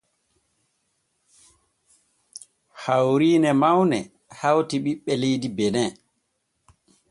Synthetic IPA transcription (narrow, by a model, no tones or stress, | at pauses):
hawɾiːnɛmawnɛ̰ | hawtiɓiɓːɛlejdibɛnɛ